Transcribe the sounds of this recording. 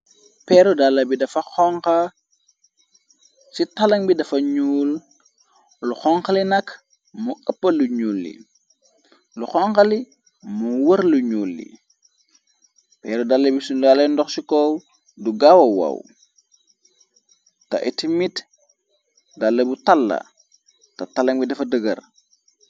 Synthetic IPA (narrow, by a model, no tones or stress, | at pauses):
pɛːɾudalːɐbidɐfɐxɔŋkɐ | sitɐlɐŋbidɐfɐɲuːl | luxɔŋxɐlinɐk | muəpːɐluɲuːlːḭ | luxɔŋkɐli | muwəɾluɲuːlːḭ | pɛːɾudalːɐbisunalɐndɔxsikɔ | duɡawɐwɐ̰w | tɐ̰ʔitimit | dalːɐbutalːɐ̰ | tɐtalɐŋbidɐfɐdəɡɐ̰ɾ